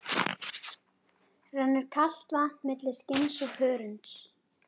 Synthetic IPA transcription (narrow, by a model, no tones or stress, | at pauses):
r̥anːɛɾ̥kʰal̥t̪vamɪt̪lɪscɪnsɔɣhœːɾʏnt̪s